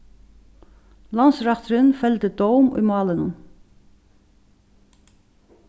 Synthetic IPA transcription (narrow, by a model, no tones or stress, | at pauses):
lɑnsɾɑt̪ɾɪnfɛlt̪əd̪ɔwmṵjmɑːlənʊn